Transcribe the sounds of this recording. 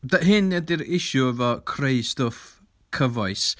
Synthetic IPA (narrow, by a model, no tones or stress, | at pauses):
daɦɪnːɛdiɾɪʃuəvɔkʰreɨstʊf | kʰəvɔɨs